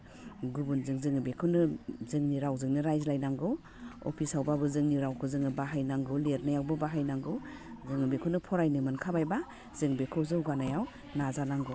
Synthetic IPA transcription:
ɡubunzɯŋzɯŋɯbekʰɯwnɯzɯŋniɾawzɯŋnɯɾajzlajnaŋɡɯw | ɔ̰pʰisawbabɯzɯŋniɾawkʰɯzɯŋɯbaɦajnaŋɡɯwleɾnajawbabaɦajnaŋɡɯw | zɯŋɯbekʰɯwnɯpʰɔɾajnɯmɯnkʰabajba | z̥ɯŋbekʰɯwzɯwɡanajaw | nazanaŋɡɔ

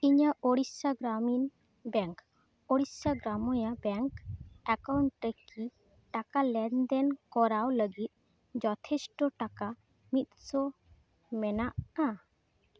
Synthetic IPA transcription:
iɲaʔoɽissaɡɾamin | bɛŋk | oɽissaɡɾamɔjabɛŋkakawɳʈɾeki | ʈakalɛnd̪ɛnkɔɾawləɡit̪̚ | d͡ʒɔt̪ʰɛsʈɔʈaka | mit̪̚sɔ | mɛnaʔa

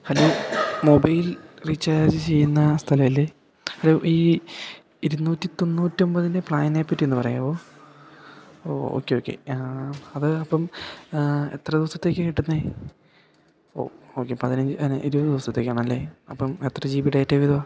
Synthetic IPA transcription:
hɐloːmo̞bɐjilrit͡ɕːaːd͡ʑɨt͡ɕe̞jːunːɐst̪ʰɐlɐjile | hɐloʔiː | iɾunːuːtːit̪o̞nːuːtːio̞mbɐðindepɭaːjneːpːɐtːienːɨpɐrɐjuboː | o̰ːo̰ːkːeo̞ːkːe̞̰ | ɐðɨɐpːɐm | e̞̰t̪rɐd̪iʋɐst̪ːɐt̪ːekːɨkiʈːunːɐe | o̰ːoːkːepɐðinɐɲd͡ʑɨɐnʔiɾubɐðɨd̪iʋɐst̪ːɐt̪ːe̞ːkːaːɳɐmɐlːeɐpːɐme̞t̪rɐd͡ʑiːʋiʈaːjɐtːeʋid̪ɐʋa

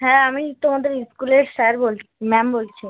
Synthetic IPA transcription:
ɦɛ̃amiit̪ːomad̪ʱeɾiskuleɾʃɛɾbolʰmɛmbolt͡ɕʰi

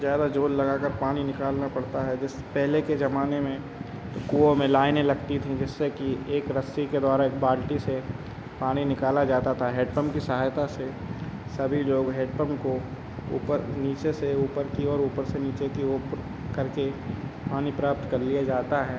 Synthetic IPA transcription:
zjaːd̪ad͡ʒoːllɐɡaːkɐɾpaːninɪkaːlnapɐɽt̪aɦɛd͡ʒɪs | pɛɦleked͡ʒɐmaːnemẽ | t̪okuːõmẽlaːɪnẽlɐɡt̪it̪ʰĩd͡ʒɪsːekieːkɾɐsiked̪aːɾaeːk̚baːlʈise | paːñinɪkaːlad͡ʒaːt̪at̪ʰaɦeːɖpəmkisɐɦaːjt̪ase | sɐbʱiloːɡɦeːɖpəmko | ṵːpəɾniːt͡ʃeseuːpəɾkiɔːɾuːpəɾseniːt͡ʃekioːpɾ | kɐɾkepaːnipɾaːp̚t̪kɐɾlijad͡ʒaːt̪aɦɛː

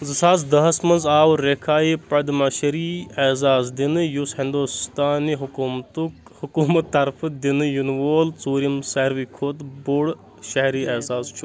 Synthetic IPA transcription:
zɨsaːzd̪ɐɦɐsmɐnzaːwɾekʰaːjipɐd̪mɐʃɐɾiezaːzd̪inɨjushĩnd̪oːst̪aːniɦʊmt̪uhukuːmɐt̪ːɐɾfɨd̪inɨjunʋoːlt͡suːɾjɐmsɐɾʋiːkʰoːt̪boːɽ | ʃɐɦɾiːeːzaːzt͡ʃʰu

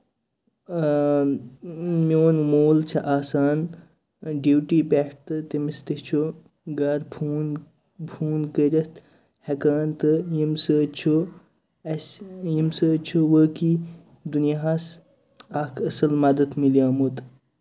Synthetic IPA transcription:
mioːnmoːlt͡ʃʰɐʔaːsaːn | ɖiwʈiːpʲeʈt̪ɨt̪imist̪it͡ʃʰo | ɡɐɾpʰuːn | bʰuːnkəɾʲɐt̪ | hɐkaːnt̪ɨjimsɨt͡ʃʰo | ɐsʲjimsɨt͡ʃʰuwəːki | d̪unjaɦas | aːkʰɐsɐlmɐd̪ɐt̪miljaːmut̪

